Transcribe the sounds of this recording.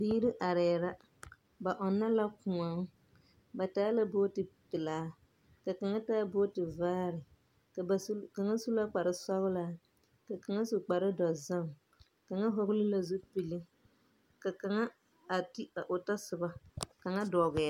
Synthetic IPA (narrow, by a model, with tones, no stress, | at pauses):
biː˦ɾɪ˦ʔa˨ɾɛː˨ɾa˦ | ba˨ʔɔ˨nːa˦la˦kʊ˨ŋa˨ŋ˦ | ba˨taː˦la˦boː˦tɪ˨pɪ˨laː˨˦ | ka˨ka˨ŋa˦taː˦boː˦tɪ˨vaː˦ɾɪ˨˦ | ka˨ŋa˦su˦la˦k͡pa˨ɾɪ˦sa˦ɣʊ˦laː˦ | ka˨ka˨ŋa˦su˨k͡pa˨ɾɪ˦dɔ˨za˦ŋ | ka˨ŋa˦ɦo˦ɣlɪ˦la˨zu˦pi˨lɪ˦ | ka˨ka˨ŋa˦ | a˨ti˦a˨ʔʊ˨ta˦sɨ˨ba˦ka˨ŋa˦dɔ˨ɣɛ˨a˦